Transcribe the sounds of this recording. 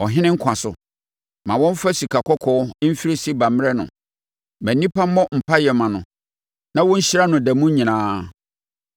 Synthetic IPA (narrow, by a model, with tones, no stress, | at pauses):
ɔ˨ɦɪ̃˦nɪ̃˦ŋ̩˦kʰã˨sʊ̰˨ | mã˨wɔ̃˦m̩˦fa˦si˨kʰa˨kʰɔ˦kʰɔ˦m̩˦fi˦ɾe˦si˦ba˨m˦ɾɛ˦nʊ̰̃˨ | mæ̃˨nːĩ˦pa˦m˦mɔ̃˦m̩˨pʰa˦jɛ˨mã˨nʊ̃˨ | nã˦wɔ̃˦ɲ̩˦ɕi˦ɾa˦nʊ̃˨dɛ˨mũ˦ɲĩ˨nãː˦